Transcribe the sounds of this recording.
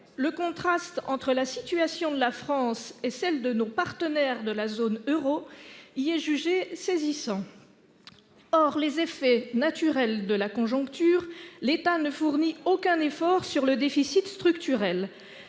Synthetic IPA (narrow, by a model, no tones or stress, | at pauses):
ləkɔ̃t̪χast̪ɑ̰̃t̪χəlasit̪yasjɔ̃d̪əlafχɑ̃sesɛld̪ənopaʁt̪ənɛʁd̪əlazonøʁoiɛʒyʒesezisɑ̃ | ɔʁlezefɛnat̪yʁɛld̪əlakɔ̃ʒɔ̃kt̪yːʁlet̪anəfuʁniokʲɛ̃nefɔʁsyʁləd̪efisit̪st̪χykt̪yʁɛl